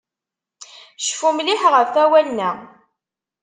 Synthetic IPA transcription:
ʃfumlɪħʁəvθæwænːæ

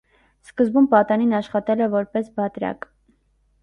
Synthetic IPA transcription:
skəzbumpɑt̪ɑninɑʃχɑt̪ɛlɛvɔɾpɛsbɑt̪ɾɑ̰k

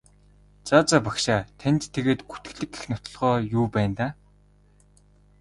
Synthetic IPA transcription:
t͡sat͡saːpakʃaːt̪ʰænt̪t̪ʰːeɣeːt̪ɡu̥t̪ɘ̆ɣɮɘ̆kːe̥xnʊt̪ɞ̆ɮʁɔːjuːpæːnt̪aː

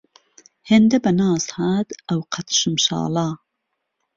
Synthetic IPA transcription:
heːnd̪ɐbɐnɑːzhaːt̪ɐwqʰɐt̪ʃɨmʃɑ̰ːlɑː

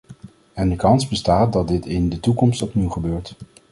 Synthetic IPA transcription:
ɛndəkɑnzbəstaːt̚dɑtdɪtɪndətukɔmstɔpniwχəbøːɹt

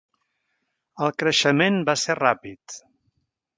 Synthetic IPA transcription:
əlˠkɾəʃəmenbaserapit̪

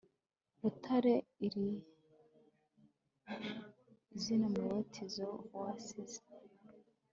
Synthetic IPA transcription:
βutʰaɾeiɾi | zinomuɾetʰizowasize̥

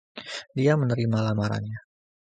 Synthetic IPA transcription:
diamənəɾimalamaɾa̰nɲa

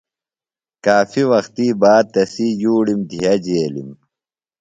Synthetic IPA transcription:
kaːfiwɐxt̪iːbaːd̪̚t̪ɐsijuːɽimd̪ʱijɐd͡ʑeːlḭm

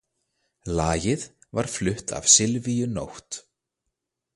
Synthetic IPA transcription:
laːjɪð | vaɾ̥flʏht̪a̰vsɪlvijʏno̰wht̪

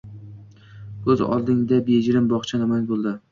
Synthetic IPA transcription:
ɵzɒ̰lˠd̪ɪŋd̪abed͡ʒɾɪmbɒχt͡ʃʰanɪmanbolˠd̪ɪ

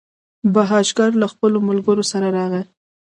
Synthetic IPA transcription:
baɦɑʃɡɑɾlaxpəlomalɡəɾosaɾaɾɑɣə

